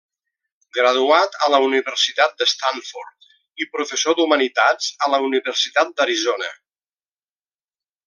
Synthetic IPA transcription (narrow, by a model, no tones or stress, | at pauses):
ɡɾəðuat̪ələuniβərsit̪at̪̚d̪əst̪aɱfoɾt̪̚ | ipɾufəsod̪umənit̪ad͡zələuniβəɾsit̪at̪̚d̪əɾizonə̰